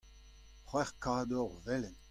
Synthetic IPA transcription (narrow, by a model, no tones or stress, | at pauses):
χwɛʁkaːd̪ɔʁvɛlɛn